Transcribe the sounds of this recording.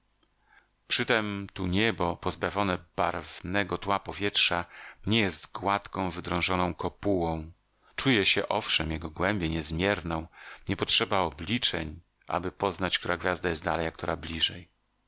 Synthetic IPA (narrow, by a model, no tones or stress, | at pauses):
pʂɘt̪ɛmt̪uɲɛbɔpɔzbavʲjɔnɛb̥a̰ɾvnɛɡɔt̪wapɔvʲjɛtʂaɲɛjɛst̪ɡwat̪kɔ̃w̃vɘd̪ɾɔ̃w̃ʐɔnɔ̃w̃kɔpuwɔ̃w̃ | t͡ʂujɛɕɛ̰ʔɔfʂɛmjɛɡɔɡwɛmbʲjɛɲɛzmʲjɛɾnɔ̃w̃ɲɛpɔtʂɛbaɔblʲit͡ʂɛɲ | ʔa̰bɘpɔznat͡ɕk̚t̪uɾaɡvʲjazd̪ajɛsd̪a̰lɛjak̚t̪ɔɾablʲiʐɛj